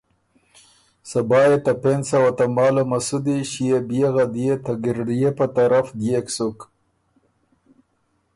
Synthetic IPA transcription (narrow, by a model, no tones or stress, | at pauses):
sɐbɑːjet̪apensawat̪amɑːlomasud̪iɕijebijeɣad̪ijet̪aɡiɾɖijepat̪aɾafd̪jeksuk